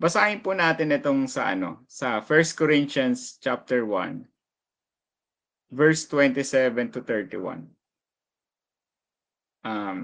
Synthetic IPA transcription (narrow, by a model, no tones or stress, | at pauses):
bɐsaːhɪnpunaːt̪ɪnɪt̪oŋsɐ̰ʔɐ̰no̞̰sɐfɛɹst̪̚kɔɾɪnʃɐnst͡ʃap̚t̪ɛɹwɐ̰̃n | vɛɹst̪wɛnt̪ɪsɛvɛnt̪ʊt̪ɛɹt̪ɪ̰wɐ̰̃n | ʔam